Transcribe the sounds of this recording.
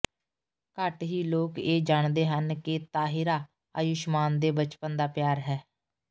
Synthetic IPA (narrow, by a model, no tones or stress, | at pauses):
kəʈɦiːloːkeːd͡ʒaːɳd̪eːɦənkɪt̪aːɦɪɾaː | əjʊʃmaːnd̪eːbət͡ʃpənd̪aːpjaːɾɦɛː